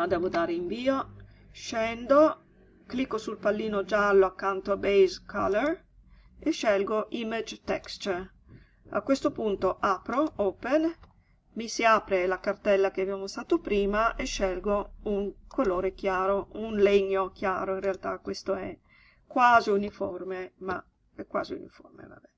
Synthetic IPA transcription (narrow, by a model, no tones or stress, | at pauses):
ad̪ɛːvod̪aːɾeiɱviːo | ʃɛnd̪o | klikːosulpalːiːnod͡ʒalːoakːant̪oabejzkʰa̰ler | eʃːɛlɡoʔimed͡ʒt̪ɛkst͡ʃ̪ | a̰kwest̪opunt̪oʔapɾooːpen | misiaːpɾelakart̪ɛlːak̟eavjamost̪aːt̪opɾiːmaʔeʃːɛlɡouŋkʰoloːɾek̟jaːɾounleɲːok̟jaːɾoinrealt̪akwest̪oɛ̰ | kwaːziuniformema̰ | ɛkːwa̰ːziṵnḭfo̰rmḛva̰bɛ